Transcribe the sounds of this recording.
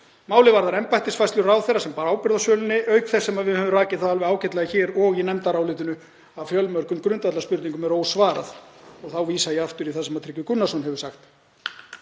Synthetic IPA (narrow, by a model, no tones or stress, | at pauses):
maːwlɪvaɾðaɾɛmpajht̪ɪsfajst̪lʏraːwθejɾasɛmpaːɾaːwpɪɾðasœːlʏnːɪʔœɥkθɛsːɛmaðvɪðhɛvʏmraːcɪðθaðalvɪðaːwcɛt̪lajɪçɛːɾɔɣinɛmt̪aɾaːwlɪːt̪ʏnʏ | avfjœlmœɾkʏmkɾʏnt̪vat̪laspʏɾt̪niŋkʏmɛɾoːwsvaːɾa̰ðɔɣθawviːsajɛaft̪ʏɾiθasɛmaðt̪ʰɾɪcvʏkʏnːasɔnɦɛvʏ̥saxt̪